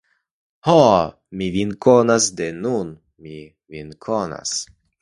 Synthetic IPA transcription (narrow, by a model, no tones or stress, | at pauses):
hɔ | mivinkonasd̪enun | mi | vinkʰona̰s